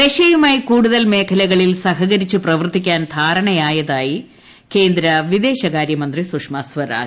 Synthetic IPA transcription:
ɾeʂɐjumaːjikuːɽuðɐlme̞ːkʰɐlɐɣɐɭilsɐɦɐɣɐɾit͡ɕːuprɐʋɐrt̪ikʲːaːnd̪ʱaːɾɐɳɐjaːjɐðaːji | ke̞ːnd̪ɾɐʋid̪e̞ːɕɐɣaːɾjɐmɐnd̪risukʂmɐsʋɐɾa̰ː

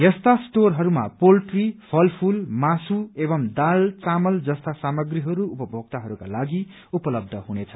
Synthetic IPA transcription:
jest̪asʈorɦʌɾuma̰polʈripʰʌlpʰulmasueβʌmd̪alt͡samʌld͡zʌst̪asamʌɡriɦʌɾuːpʌbʱoɡ̚t̪aɦʌɾuka̰laɡi | upʌlʌb̚d̪ʱʌɦunet͡sʰʌ̥

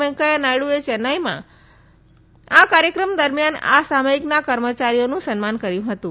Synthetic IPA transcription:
ə̃ŋkajanaɽuet͡ʃɛnajmã̰ | akaɾjəkɾəmd̪əɾmjana̰saməiknakəɾmət͡ʃaɾijonũsənmankəɾjũɦət̪ũ

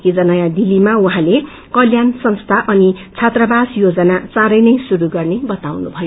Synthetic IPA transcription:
kid͡zʌnʌjãd̪ilːimauɦãle | kʌljansʌnst̪ʰaʔʌnit͡sʰat̪rʌbasjod͡zʌnat͡sãɾʌjnʌjsuɾuɡʌrnebʌt̪awnubʱʌjo

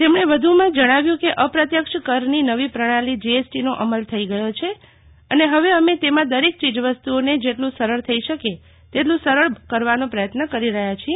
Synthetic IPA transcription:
t̪emɳ̃eʋəd̪ʱumãd͡ʒəɽ̃aʋjũkeʔəpɾət̪jəkʃkəɾninəʋipɾəɽ̃alid͡ʒiesʈinoʔəməlt̪ʰəiɡəjot͡ʃʰe | əneɦəʋeəmet̪emãd̪əɾek̚t͡ʃid͡ʒʋəst̪uoned͡ʒeʈlũsəɾəɭt̪ʰəiʃəke | t̪eʈlũsəɾəɭkəɾʋanõpɾəjət̪nəkəɾiɾəɦjat͡ʃʰie

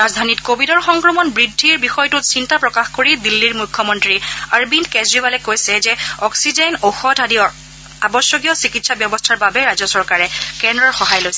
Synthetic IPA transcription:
ɹazdʱanitkobʱidɔɹxɔŋkɹɔmɔnbɹidʱːiɹbixɔjtʊtsintapɹɔkaxkoɹidilːiɹmukʰːɔmɔntɹiaɹbinkɛzɹibalɛkojsɛzɛɔksizɛnoxɔdʱadijɔ | abɔsjɔɡijɔsikitsabjɔbɔstʰaɹbabɛɹazɔsɔɹkaɹɛkɛndɹɔɹxɔɦajlojsɛ

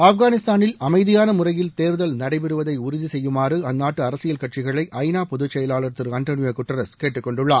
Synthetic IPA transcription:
ɐfɣaːnɪst̪aːnɪlɐmɐɪðɪjaːnɐmʊrɐjɪlt̪eːɾðɐlnɐɽɐɪpɛɾɯʋɐðɐɪʊɾɪðisɛjːɯmaːrɯɐnːaːʈːɯɐɾɐsɪjɐlkɐʈ̚t͡ʃɪɣɐɭɐɪʔʔɐɪnaːpɔðɯt͡ʃːɐjɐlaːɭɐɾt̪ːɪɾɐnʈ̪oːnɪjoːkʊʈːɐɾɐskeːʈːɯkːɔɳɖɯɭːaː

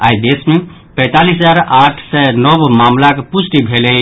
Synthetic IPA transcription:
a̰jd̪esme | pə̃ɪt̪aliszaɾaʈʰsɛnɔbmamlakepusʈibʱelɛ

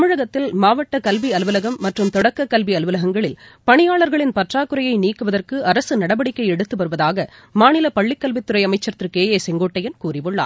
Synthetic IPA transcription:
mɯɻɐɣɐt̪ːɪlmaːʋɐʈːɐkɐlʋiɐlʋɯlɐɣɐmːɐʈrɯmt̪ɔɽɐkːɐkːɐlʋiɐlʋɯlɐɣɐŋɡɐɭɪlpɐɳɪjaːɭɐɾɣɐɭɪnpɐʈraːkɯɾɐjɐɪniːkːɯʋɐðɐrkɯɐɾɐsɯnɐɽɐbɐɽɪkːɐɪɛɽɯt̪ːɯʋɐɾɯʋɐðaːɣɐmaːnɪlɐpɐɭːɪkːɐlʋɪt̪ːɯɾɐɪjɐmɐɪt͡ʃːɐɾt̪ːɾɯkeːjeːsɛŋɡoːʈːɐjɐnkuːrɪʋɯɭːa̰ː

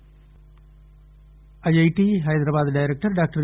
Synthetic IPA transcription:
ɐjɐjʈiɦɐjd̪ɾabaːd̪ɖaːjɾek̚ʈɐɾɖaːk̚ʈɐɾ

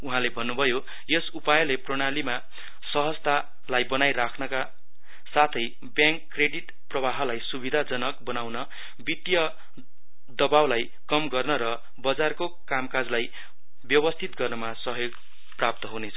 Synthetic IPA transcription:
uɦãlebʱʌnːubʱʌjo | jesupajʌleproɽ̃alima | sʌɦʌst̪a | lajbʌnajɾakʰnʌka | sat̪ʰʌj | bjãŋkːreɽiʈ | prʌbaɦʌlajsubid̪ʱad͡zʌnʌkbʌnawnʌ | bit̪jʌ | d̪ʌbawlaj | kʌmɡʌrnʌɾʌ | bʌd͡zarko | kamkad͡zlaj | bjʌbʌst̪ʰit̪ɡʌrnʌmasʌɦjoɡ | prap̚t̪ʌɦunet͡sʰʌ̥

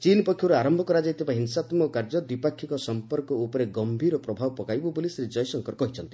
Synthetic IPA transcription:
t͡ʃinpɔkʰjɔɾaɾɔmbʱɔkɔɾad͡ʒait̪ʰibaɦinsat̪mɔkaɾd͡ʒɔd̪wipakʰːikɔsɔmpɔɾkɔupɔɾeɡɔmbʱiɾɔpɾɔbʱabɔpɔkajbɔbolisɾid͡ʒɔjɔsɔŋkɔɾkɔɦit͡ʃʰɔnt̪i

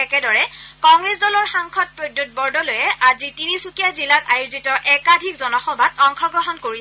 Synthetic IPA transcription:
ɛkɛdɔɹɛkɔŋɡɹesdɔlɔɹxaŋkʰɔt̚pɹodut̚bɔɹdɔlojɛʔazitinisukijazilatajuzitɔʔɛkadʱikzɔnɔxɔbʱatɔŋxʰɔɡɹɔɦɔnkoɹi

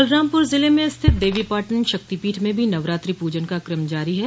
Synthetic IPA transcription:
ɐlɾãːmpʊɾzɪlemẽst̪ʰɪt̪̚ʰd̪eːʋipaːʈənʃɐk̚t̪ipiːʈʰmẽbʱinɐʋɾaːt̪ɾipuːd͡ʒənkakɾəmd͡ʒaːɾiɦɛ

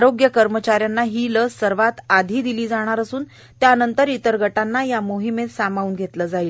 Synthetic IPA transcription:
ɾoɡjəkəɾmət͡ɕaɾjanːaɦiːləsəɾʋat̪ad̪ʱiːd̪iliːd͡zaɽ̃aɾəsuːn | t̪jaːnənt̪əɾit̪əɾɡʱəʈanːajamoɦimet̪samauːnɡʱet̪ləːd͡zaiːl

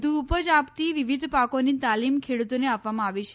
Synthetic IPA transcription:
d̪ʱuːpəd͡ʒapt̪iʋiʋid̪ʱpakonit̪alimkʰeɽut̪oneapʋamãaʋiʃe̥

